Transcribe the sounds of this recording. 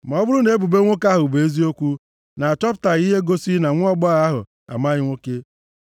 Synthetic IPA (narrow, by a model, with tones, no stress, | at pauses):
ma˨ɔ˦bʊ˦ɾʊ˦ne˦bu˨be˦ŋʷo˦ka˦ɦʊ˨be˨e˦zi˦o˦kʷu˦ | na˨a˨t͡ʃɔ˦p̬ta˨ɣi˦ɦe˦ɡo˦si˦na˨ŋʷʊ˦ɔ˦ɡ͡ba˦ɣa˦ɦʊ̰˨ | a̰˨ma˦ɣɪ˦ŋʷo˦ke˦